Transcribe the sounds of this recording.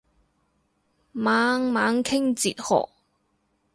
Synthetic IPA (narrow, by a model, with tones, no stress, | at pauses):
maː˨˥ŋmaː˨˥ŋkʰɪ˥ŋt͡sḭː˨t̚hɔ̰ː˨k̚